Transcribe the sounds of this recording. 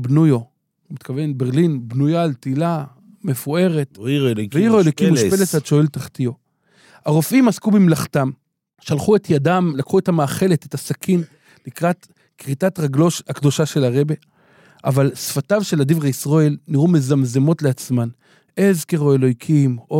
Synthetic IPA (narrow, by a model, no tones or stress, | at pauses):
bnujo | mit̪kave̞nbe̞ʁlinbnujaltila | me̞fue̞ʁetveiʁoelojkimʃpelesaʃoeltaχtio̞ | aʁo̞fimaskubimlaχtam | ʃalχue̞tjadamlakχue̞thamaːχe̞letethasakʰin | likʁat | kʁitatʁaɡlo̞ʃhakd̪o̞ʃaʃe̞laʁe̞be̞ | ʔavalsfatavʃe̞ladivʁaisʁoelniʁume̞zamzemo̞tleat͡sman | e̞zkeʁoelo̞jkʰimo